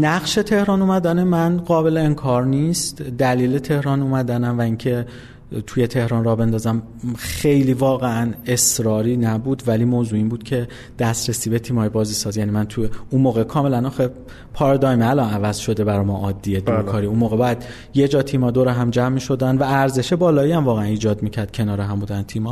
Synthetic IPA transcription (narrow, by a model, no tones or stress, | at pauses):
næɣʃe̞t̪ʰe̞hɾɒːnuːmæd̪ænemænɢɒːbe̞leeŋkʰɒːɾniːst̪d̪æliːle̞t̪ʰe̞hɾɒːnuːmæd̪ænæmvæiŋcʰe̞ | t̪ʰujet̪ʰe̞hɾɒnrɒːbe̞nd̪ɒːzæm | xe̞jliːvɒːɣeæne̞sɾɒːɾiːnæbuːd̪væliːmoːzuːiːmbuːd̪̥cʰe̞ | d̪̥æst̪ɾesiːbe̞t̪ʰiːmɒːjibɒːziːsɒːzjæːniːmænt̪ʰuunmoːɣe̞kʰɒːme̞lænɒːxe | pʰɒɾd̪ɒjmælɒnævæzʃo̞d̪e̞bæɾɒːmɒːʔɒːd̪ːied̪uɾkʰɒːɾiunmoːɣe̞bɒjæd̪ | je̞d͡ʒɒːt̪ʰiːmɒːd̪oɾeɦæmd͡ʒæmːiʃo̞d̪ænd̪væːɾze̞ʃe̞bɒːlɒːiæmvɒːɣeæniːd͡ʒɒːd̪miːcʰæɾd̪̥̚cʰe̞nɒːɾeɦæmbuːd̪ænt̪ʰiːmɒ